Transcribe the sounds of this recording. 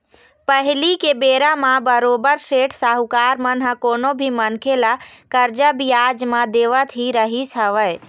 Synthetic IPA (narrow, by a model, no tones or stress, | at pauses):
pəɦlikebeɾamabəɾobəɾseʈʰsaɦukaɾmənɦəkonobʱimənkʰelakəɾd͡ʒəbijad͡ʒmãd̪eʋət̪ɦiɾəɦisʰəʋə